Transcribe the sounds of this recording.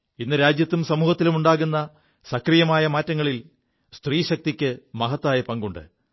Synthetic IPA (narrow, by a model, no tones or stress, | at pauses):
inːɨɾaːd͡ʑjɐt̪ːumsɐmuːhɐt̪ːilumuɳɖaːɣunːɐ | sɐkrijɐmaːjɐmaːtːɐŋːɐɭil | st̪riːɕɐk̚t̪ikʲːɨmɐɦɐt̪ːaːjɐpɐŋɡuɳɖɨ̰